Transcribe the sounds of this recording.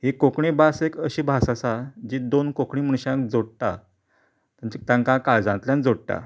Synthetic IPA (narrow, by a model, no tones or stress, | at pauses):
ɦikokɳibasekəɕibʱasasad͡ʑid̪onkokɳim̤əɽ̃ɕãkd͡zoɽt̪a̰ | t̪at͡ɕit̪jãŋkakaɭd͡zãnt̪ljãnd͡zoɽt̪a̰